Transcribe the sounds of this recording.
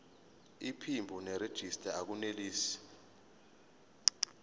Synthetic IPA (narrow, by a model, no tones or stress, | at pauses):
ipʰimbʱunɛɾed̥ʒ̥ʱistʼaak̬uneliːsi̥